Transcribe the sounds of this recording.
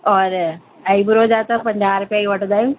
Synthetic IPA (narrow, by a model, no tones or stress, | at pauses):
ɔːɾ | aibʊɾod͡ʒaːt̪apɐ̃ɲd͡ʑaːɾʊpjaːiʋɐʈd̪aːjũː